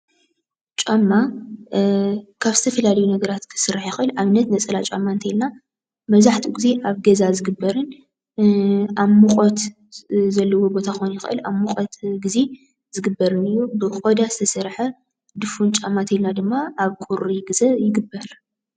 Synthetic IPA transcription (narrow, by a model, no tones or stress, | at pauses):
t͡ʃʼamːa | kʰaβzɨt̪ʰɐfɐlalɐjunɐɡɐɾat̪kʰɨ̥sɨɾħjɪxʔɨlʔaβnɐt̪nɐt͡sʼɐlat͡ʃʼamːaɨnt̪ʰɐjilna | mɐβzaħt̪ʰiɡize̞ʔaβɡɐzazɨɡɨbːɐɾɨn | aβmuqʼot̪ | zɐlːɐwo̞bo̞t̪ʰaxojnjɪxɨʔɨ̰laβmuqʼot̪ɡize̞ | zɨɡɨbːɐɾɨnɨjːubɨkʼod̪azɨt̪ʰɐsɐɾħɐ | d̪ɨfunt͡ʃʼamːat̪ʰɐjlnad̪ɨmːaaβkʼuɾiɡɨzɐjɪɡɨbːɐɾ